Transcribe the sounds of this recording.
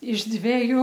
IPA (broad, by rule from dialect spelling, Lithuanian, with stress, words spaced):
ɪʃ ˈdʲʋʲæːjʊ